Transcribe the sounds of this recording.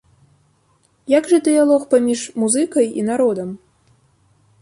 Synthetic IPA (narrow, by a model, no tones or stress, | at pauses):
jaɡʐɐd̪ɨjalˠɔxpamʲiʂmuzɨkɐjḭnaɾɔd̪ɐm